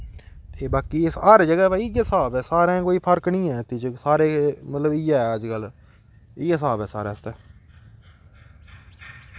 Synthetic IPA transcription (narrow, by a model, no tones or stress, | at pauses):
t̪eːbaːkiːəɾd͡ʒəɡɛːbaːijəsaːbɛːsaːɾẽːkoːiːpʰəɾknĩːɛːt̪ɪt͡ʃsaːɾeːmət̪ləbɪjaɛːəd͡ʒkəl | ɪəs̬aːbɛːsa̰ːɾɛ̃ːst̪ɛː